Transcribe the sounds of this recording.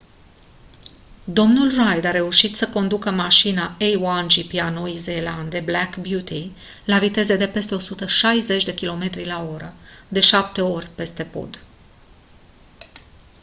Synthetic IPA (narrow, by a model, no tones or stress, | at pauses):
d̪o̞mnulrajd̪aɾe̞uʃit̪səko̞nd̪ukəmaʃinaejwand͡ʒipianoizeland̪e̞blakbjut̪ʰi | lavit̪e̞ze̞d̪e̞pe̞st̪e̞o̞sut̪əʃajze̞t͡ʃʲd̪e̞kʲilo̞me̞t̪ɾilao̞ɾəd̪e̞ʃap̚t̪e̞o̞rʲpe̞st̪e̞po̞̰d̪̥